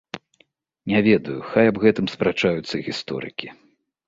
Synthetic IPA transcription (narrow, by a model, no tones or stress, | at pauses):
nʲɛvʲɛd̪ɐjuxajɐbɣɛt̪ɨmspɾat͡ʂajut̪sːɐɣʲist̪ɔ̰ɾɨ̰kʲi